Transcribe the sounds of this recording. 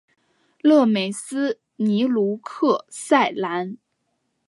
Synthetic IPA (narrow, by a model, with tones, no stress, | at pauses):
lɤ˥˩me˨˩ɪsɹ̩˥ | ni˧˥lu˧˥kʰɤ˥˧sa˥˩ɪla˧˥n